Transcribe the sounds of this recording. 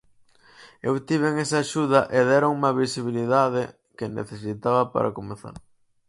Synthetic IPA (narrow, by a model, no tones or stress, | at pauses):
ewt̪iβeŋesɐaːʃuðɐʔeðɛɾoŋumɐβisiβiliðaðe | kenḛθesit̪aβɐpa̰ɾɐ̰komeθa̰ɾ